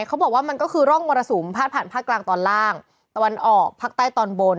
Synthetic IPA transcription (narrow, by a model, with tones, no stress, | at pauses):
kʰa˦˥wbɔː˨˩k̚waː˥˩ma˧nkɔː˥˩kʰɯː˧ɾɔ˥˩ŋwoː˧ɾa˧so˩˦mpʰaː˥˩t̪̚pʰaː˨˩npʰaː˥˩k̚laː˧ŋt̪ɔː˧nlaː˥˩ŋ | t̪a˧wa˧nʔɔː˨˩k̚pʰaː˥˩t̪aː˥˩jt̪ɔː˧nbo˧n